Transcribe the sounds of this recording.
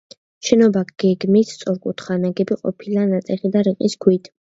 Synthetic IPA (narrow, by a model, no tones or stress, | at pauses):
ʃɛnɔbaɡ̥ɛɡmist̪sʼɔɾkʼut̪ʰχanaɡɛbiqʼɔ̰pʰilanat̪sʼɛχid̪aɾiqʼisɡʰwit̪ʰ